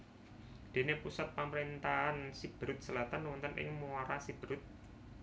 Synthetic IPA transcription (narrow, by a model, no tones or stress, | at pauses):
d̪̥e̤nepusat̪̚paməɾint̪aansib̥ɾʊt̪̚səlat̪anwɔnt̪ənʔɪ̰ŋmuaɾasib̥ɾʊt̪̚